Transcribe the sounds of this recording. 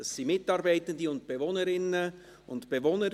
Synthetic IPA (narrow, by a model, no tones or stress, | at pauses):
ɑssiːmɪtɑɾbæɪtəndiʊnt̚b̥evoːnəɾɪnə | ʊntb̥evoːnə